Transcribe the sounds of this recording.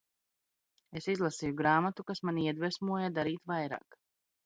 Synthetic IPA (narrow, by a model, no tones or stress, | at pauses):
esizlˠasiːjuɡɾaːmat̪ukasmaniɛd̪vɛsmuɔjad̪aɾiːt̪vajɾa̰ːk